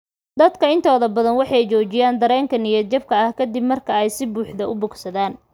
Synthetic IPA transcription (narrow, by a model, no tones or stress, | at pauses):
d̪ɐd̪kʰɐɪnt̪ʰɔːðɐbɐðɐnwɑħɑjt͡ʃɔːt͡ʃɪjaːnd̪ɐɾɛːŋkʰɐnɪjɐt͡ʃɐb̚kʰɐɐhkʰɐd̪ɪbmɐrkʰɐɛjsɪbuːħd̪ɐʊbʊɡsɐðaːn